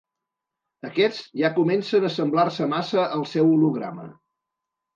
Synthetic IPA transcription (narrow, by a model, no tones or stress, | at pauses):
əkɛd͡zʒakumɛnsənəsəmblarsəmasəʔəlˠsɛwuluɣɾa̰mə̰